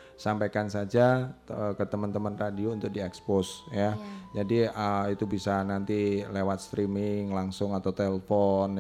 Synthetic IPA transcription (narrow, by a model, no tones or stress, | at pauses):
sampajkansad͡ʒaəkət̪əmənt̪əmənradiount̪ʊk̚diɛksposjad͡ʒadiəit̪ubisanant̪ilewat̪̚st̪ɾimɪŋlaŋsʊŋat̪awt̪eləfɔn